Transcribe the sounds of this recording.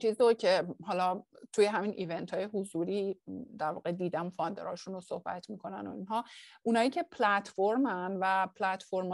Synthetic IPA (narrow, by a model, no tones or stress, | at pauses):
t͡ʃʰiːzocʰe̞ɦɒːlɒːt̪ʰuje̞ɦæmiːnʔiːve̞nt̪ʰɒːje̞ɦuzuːɾiːd̪æɾvɒ̰ːɣe̞d̪iːd̪æmofɒnd̪eɾɒːʃunosohb̥æ̰t̪ʰmiːkʰo̞næ̰no̞̰inɦɒːʔunɒːjiːcʰe̞pʰlæt̪ʰfoɾmænvæpʰlæt̪fo̞ɾm